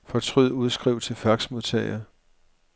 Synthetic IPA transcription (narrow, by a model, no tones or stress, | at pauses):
fɒ̽t͡sʰʁyð̰ˠuð̞ˠsɡ̥ʁiʊt͡sʰe̝lfæɐɡ̥smo̝ðˠt͡sʰɛ̰ɪɐ